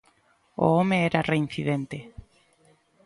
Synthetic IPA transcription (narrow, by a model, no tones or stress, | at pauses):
o̰omeɛɾarein̟θiðent̪e